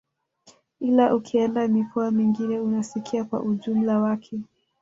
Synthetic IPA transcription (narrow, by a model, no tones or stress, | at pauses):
ilaʔukʰiɛndamikʰɔamiŋɡinɛunasikʰiakwa̰ʔuʄum̩lawakʰɛ